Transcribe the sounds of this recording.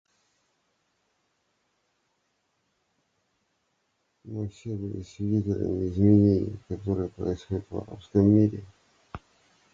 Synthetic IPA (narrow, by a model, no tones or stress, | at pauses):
mɨfsʲebɨlʲɪsvʲɪdʲitʲɪlʲə̰mʲɪɪzmʲɪnʲenʲɪ̰kɐt̪o̞ɾɨjəpɾə̰ɪsxodʲɪt̪vɐ̰ɾa̰pskəmːʲiɾʲɪ